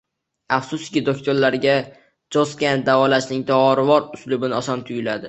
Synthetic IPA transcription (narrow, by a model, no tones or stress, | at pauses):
afsʊskʲɪd̪okʲt̪ʰoɾlaɾɡʲa | d͡ʒɒskʲand̪avɒlaʃnɪŋd̪ɒɒɾɪvɒɾʊslʊbɪnɪɒsɒmt̪ʰʊjʲɪlad̪ɪ